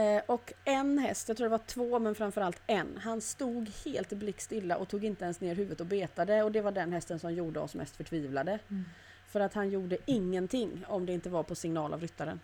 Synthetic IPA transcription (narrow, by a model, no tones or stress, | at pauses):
ʔɔkɛnɦɛst̪jat̪ʰɾuːɖɛvaʈʰvoːmɛnfœɾamfœɾalt̪ɛnɦanst̪uːɡheːlt̪blɪkːst̪ɪlːaʔɔt̪ʰuːɡɪnt̪əɛnsneːɾɦʉ̟ːvət̪ɔbeːt̪ad̪əɔd̪ɛvaɖɛnɦɛst̪ənsɔmjuːɖəɔ̰smʔɛ̰st̪fœʈʰviːvlad̪ə | fœɾat̪hanjuːɖəɪŋːənt̪ʰɪŋːɔmd̪ɛɪnt̪əvaɾpʰɔsɪŋnɑːlʔa̰vɾʏt̪ːaɾə̰n